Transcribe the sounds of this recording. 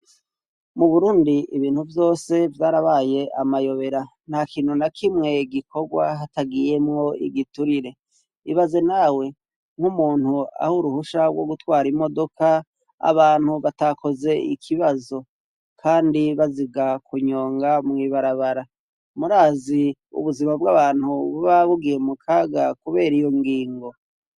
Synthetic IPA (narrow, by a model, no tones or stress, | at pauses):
muβuɾuːndiiβiːnhuvjo̞ːse̞vjaːɾaβaːje̞ʔamajo̞βe̞ɾa | n̥hakiːn̥hunakʰimŋe̞ɡikʰo̞ɡwa̰ɦataɡije̞mŋo̞ḭɡituɾiɾe̞ | iβaze̞nawe̞ | ŋ̥humuːn̥hua̰huɾuhuʃaɡwo̞ɡutwaːɾimo̞do̞ka | a̰βaːn̥huβatakʰo̞ze̞ḭkʰiβazo̞ | kʰaːndiβaziɡakʰuɲo̞ːŋɡamŋiːβaɾaβaɾa | muɾaːziṵβuzimabɡaβaːn̥huβuβaβuɡijemukʰaːɡakuβe̞ːɾijo̞ŋɡiːŋɡo̞